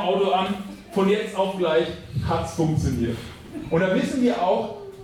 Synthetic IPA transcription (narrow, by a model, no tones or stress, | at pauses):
ʔaʊtoʔan | fɔnjɛt͡staʊfɡ̥laɪçhatsfʊŋk̚t͡sjoniːɐt | ʔʊntd̥aːvɪsn̩viːɐʔaʊx